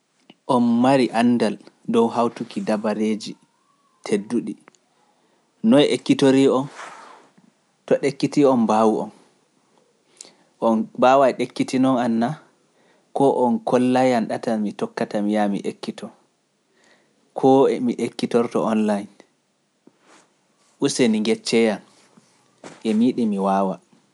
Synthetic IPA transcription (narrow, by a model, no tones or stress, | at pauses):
ʔɔnmaɾiʔanːdal | dɔwɦawtukidabaɾed͡ʒi | tʰedːuɗi | nɔɛʔekːitoɾiɔn | tɔɗekːitiɔmbawuɔn | ʔɔnbawaɛɗekːitinɔnanːa | kɔʔɔnkʰɔlːajanɗatamitɔkːatamijamḭʔekːitʰɔ | kʰɔɛmiʔekːitɔɾtɔ̰ɔnlajin | ʔuseniŋɡɛt͡ʃːɛjan | ʔɛmiɗimiwaːwa